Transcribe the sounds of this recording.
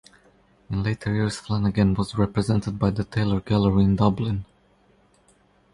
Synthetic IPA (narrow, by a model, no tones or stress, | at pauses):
ɨ̃nleɪtʰə˞jɪɹz̥flæ̃nɨɡɛ̃nwʌzɹɛpɹɨzɛ̃ntɨd̚baɪðətʰeɪlˠə˞ɡælˠəɹĩndʌblɪ̃n